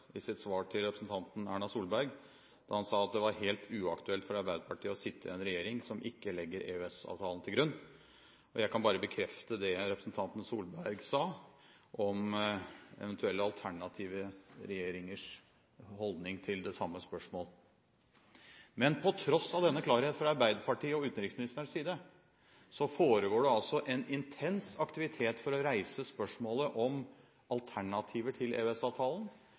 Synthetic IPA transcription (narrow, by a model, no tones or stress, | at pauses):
ɪsɪt̪sʋɑːʈʰɪlɾɛpɾəsn̩t̪ʰɑnt̪n̩æːɳɑsuːlbæɾɡ | d̪̥ɑ̰ɾhɑnsɑːɑt̪̚d̪ɛʋɑɾheːlt̪ʰʉːɑkt̪ʉɛlt̪fɔɾɑɾbæɪd̪əpʰɑʈʰiːəɔsɪt̪ʰːəɛnɾɛjeːɾɪŋsɔmʔɪkːəlɛɡːəɾeːøɛsɑ̰ːʋt̪ʰɑːlənt̪ʰɪlɡɾʉnː | ʔɔjæɪkʰɑnbɑːɾəbəkʰɾɛft̪əd̪ɛɾɛpɾəsn̩t̪ʰɑnt̪n̩suːlbæɾɡsɑː | ʔɔm | ɛ̰ʋɛnt̪ʰʉɛlːəɑlˠt̪ʰæɳɑt̪ʰiːʋəɾɛjeːɾɪŋəʂ | hɔld̪nɪŋt̪ʰɪld̪ɛsɑmːəspœʂmoːl | mɛnpʰɔt̪ʰɾɔsːɑʋd̪ɛnːəklɑːɾheːt̪fɾɑɑɾbæɪd̪əɾpʰɑʈʰiːəɔʉːt̪n̩ɾɪksmɪnɪst̪əɾəʂsiːd̪ə | sɔfoːɾəɡoːɖɛɑlsɔʔɛnɪnt̪ʰɛnsɑkt̪ɪʋɪt̪ʰeːt̪fɔɾɔɾæɪsəspœʂmoːləʔɔm | ɑlt̪ʰæɳɑt̪ʰiːʋəʈʰɪlḛːɛsɑːʋt̪ʰɑːlən